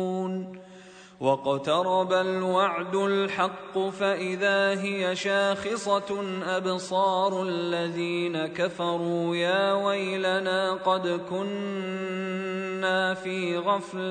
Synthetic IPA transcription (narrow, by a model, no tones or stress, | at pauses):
n | wɑqɑt̪ɑɾˤɑbalwaʕd̪ʊlħɑqːʊfaʔɪðaːɦɪjaʃaːxɪsˤɑʔabsˤɑːɾˤalːaðiːnakafɑɾˤuːjaːwajlanaːqɑd̪kʊn | aːfiːɣɑfl